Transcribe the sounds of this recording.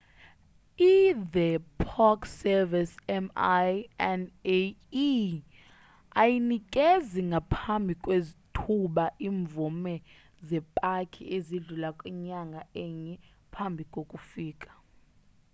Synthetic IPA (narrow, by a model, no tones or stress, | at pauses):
iðɛpʰɔksɛvisɛmjɛne | ajinikʼeziŋɡʱapʰambʱikʼwezitʰuɓaʔiːɱvumɛ | zɛpʼakʰḭeziɮulakʼiɲaŋɡʱaɛːɲɛ | pʰambʱikʼokʼufiːkʼḁ